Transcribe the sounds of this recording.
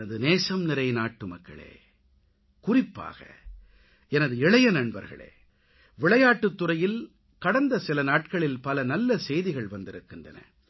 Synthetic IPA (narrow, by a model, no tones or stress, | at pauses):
ɐðɯneːsɐmnɪɾɐɪnaːʈːɯmɐkːɐ̰ɭḛː | kʊrɪpːa̰ːɣɐ̰ | ɛnɐðɯɪɭɐjɐnɐɳbɐɾɣɐ̰ɭḛː | ʋɪɭɐjaːʈːɯt̪ːɯrɐjɪl | kɐɽɐnd̪ɐsɪlɐnaːʈ̚kɐɭɪlpɐlɐnɐlːɐsɛjðɪɣɐɭʋɐnd̪ɪɾɯkːɯndrɐ̰nɐ̰